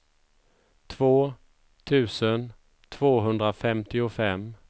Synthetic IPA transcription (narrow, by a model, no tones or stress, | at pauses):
t̪ʰvoː | t̪ʰʉ̟ːsən | t̪ʰv̥oːɦɵnd̪ɾafɛmt̪ɪʊfɛm